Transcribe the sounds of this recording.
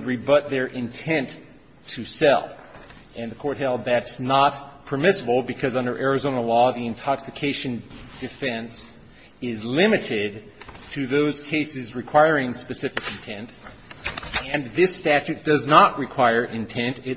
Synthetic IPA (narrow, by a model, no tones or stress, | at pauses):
d̚ɹibʌt̪̚ðə˞ʔɪ̃ntʰɛ̃ntʰ | ɨsɛ̰lˠ | ʔɨ̃nðɨkʰɔɹt̚hɛlˠd̪̚ðætsnət̚pʰə˞mɪsəbl̩ˠbɨkʰʌzʌ̃ndə˞ʔɛɹɨzõʊ̃nəlɔðiɨ̃ntʰɑksɨkʰeɪʃɨ̃nd̥ɨfɛ̃ns | ɪzlɪ̃mɨɾɪd̚ | tʰɨðoʊz̥kʰeɪsɨzɹɨkʰw̥aɪɹɪ̃ŋspɨsɪfɨkɨ̃n̩tʰɛ̃nt | ɨ̃nðɪstæt͡ʃʉt̚d̥ʌznəʔ̚ɹɨkʰw̥aɪə˞ʔɪ̃ntʰɛ̃ntɪ